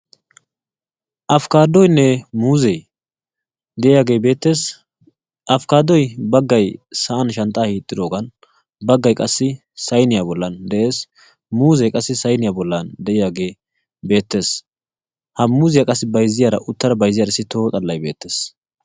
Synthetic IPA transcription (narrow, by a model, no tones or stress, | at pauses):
ʔɐfkaːd̪ɔjnɛmuːzɛj | d̪ɛʔɪjaːɡe̞ːbe̞ːt̪ːe̞ːs | ʔɐfkaːd̪ɔjbɐɡːɐjsɐʔɐnʃɐnt̪ʼːaːhiːt̪ʼːɪd̪o̞ːɡɐn | bɐɡːɐjkʼɐsːɪ | sɐjnɪjabɔlːɐnd̪ɛʔe̞ːs | muːzɛjkʼɐsːɪsɐjnɪjabɔlːɐnd̪ɛʔɪjaːɡe̞ː | be̞ːt̪ːe̞ːs | hɐmuːzɪjakʼɐsːɪbɐjzːɪjaɾɐʔʊt̪ːɐɾɐbɐjzɪjaːɾɪsːɪt̪ʰo̞ːt̪ʼɐlːɐjbe̞̰ːt̪ːeːs